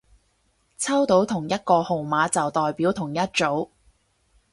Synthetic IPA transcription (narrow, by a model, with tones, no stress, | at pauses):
t͡sʰɐ˥wt̪o˨˥wt̪ʰʊ˨˩ŋjɐ˥t̚kɔː˧ho˨wmaː˨˥t͡sɐ˨wt̪ɔː˨jpiː˨˥wt̪ʰʊ˨˩ŋjɐ˥t̚t͡so˨˥w